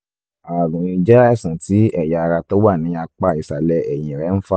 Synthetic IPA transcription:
a˨ɡũ˨ɾĩ˧d͡ʒɛ˦ɛ˦˨sã˨ti˨˦ɛ˦˨ja˨˧ɾa˧to˦wa˦˨nĩ˨˦a˧k͡pa˦˨i˨sa˨lɛ˧ɛ˨j̃ĩ˨ɾɛ˨˦n̩˦fa˦

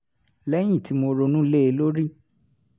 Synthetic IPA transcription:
lɛ˦j̃ĩ˦˨tʰi˨˦mo˧ɾo˧nũ˦le˦e˧lo˦ɾi˦

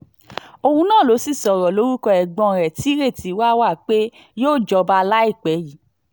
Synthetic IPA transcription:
o˧hũ˧nãː˦˨lo˨˦si˦˨sɔ˨ɾɔ˨lo˨˦ɾu˦kɔ˧ɛ˨ɡ͡bɔ̃˧˨ɾɛ˨ti˨˦ɾe˦˨ti˨˦wa˦wa˦˨k͡pe˦ | joː˦˨d͡ʒɔ˧ba˧la˦i˦˨k͡pɛ˨˦ji˨˦

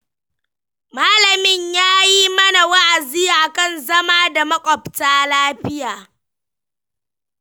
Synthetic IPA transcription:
maː˦lɐ˨mɪ˦˨ɲjaː˦jiː˦mɐ˦na˨wɐ˦ʔa˨ziː˦ʔa˨kɐ˦˨nzɐ˦maː˦da˨mɐ˦kʷʼɔ˨ptaː˦laː˦ɸɪ˦jaː˨

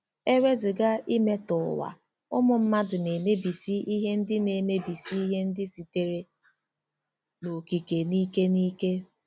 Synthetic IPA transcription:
e˦ɾe˦zʊ˨ɡa˦ʔi˦me˦tʊ˨wa̰˨ | ʊ˦mʊ˨m̩˦ma˦dʊ˨ne˨ne˦bi˨si˦i˦ɦe˦n̩˦dɪ˦ne˨me˦bi˨si˦i˦ɦe˦n̩˦dɪ˦si˨te˦ɾe˦ | no˨ki˨ke˨niː˦ke˦niː˦ke˦

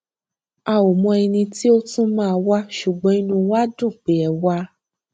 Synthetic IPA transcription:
a˧o˨mɔ̃˧ɛ˧nĩ˧ti˦o˦tũ˦mãː˦˧wa˦ʃu˨ɡ͡bɔ̃˨˦i˦nũ˧wa˦dũ˦˨k͡pe˨˦ɛ˧wa˦

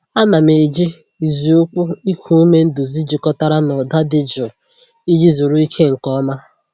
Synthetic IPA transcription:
a˦na˨me˨d͡ʒi˦ | i˨zu˨o˦k͡pʊ˦i˦kʷʰu˦u˦me˦n̩˦dʊ˨zi˦d͡ʒi˨kɔ˦ta˦ɾa˦nɔ˨da˦dɪ˨d͡ʒʊ˨ | i˦d͡ʒi˦zu˨ɾu˦i˦kʰe˦ŋ̩˨kɔ˦ma˦

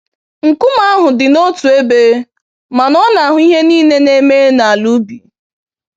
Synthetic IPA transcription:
ŋ̩˨ku˦ma˦a˦ɦʊ˨dɪ˨no˦tu˨e˦be˦ | ma˨nɔ˦na˨a˦ɦʊ˨˦i˦ɦe˦niː˦ne˦ne˦me˦e˦na˨a˨lu˦bi˨

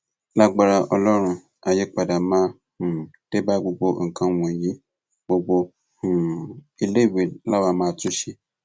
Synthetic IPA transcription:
la˦ɡ͡ba˧ɾa˧ʔɔ˧lɔ˦ɾ̃ũ˧ | a˨je˧k͡pa˨da˨mãː˦˧˦ | ũ˨te˦ba˦ɡ͡bo˧ɡ͡bo˧˨ŋ̩˨kã˧wɔ̃˨jĩ˨˦ | ɡ͡bo˧ɡ͡bo˧ | hũ˨i˧le˦˨we˨la˦wa˧mãː˦˧tũ˦ʃe˧

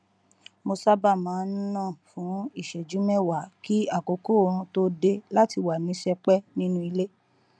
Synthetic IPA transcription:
mo˧sa˦ba˦˨mãː˨˦n̩˦nã˦˨fũ˨˦i˦˨ʃɛ˨d͡ʒũ˨˦mɛ̃˦wa˨ki˦a˦˨ko˨˦ko˦˨ɾũ˧to˦de˧la˦ti˧wa˨nĩ˨˦ʃɛ˧k͡pɛ˦nĩ˦nũ˦i˧le˦

